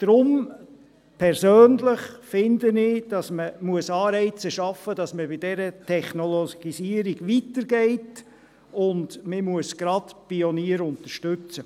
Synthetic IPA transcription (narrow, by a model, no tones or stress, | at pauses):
d̥ɾʊm | pʰɛɾsøːnlɪχfɪndənɪd̥ɑsməmuəsɑːɾɛɪt͡səʃɑfːəd̥ɑsməbɪdɛɾətʰɛχnɔloɡ̥isiːəɾiɡ̥ʋitəɾɡɛɪt | ʊndmɪmuəsɡ̥ɾɑdpioniːəɾʊnt̪əɾʃtʉt͡sə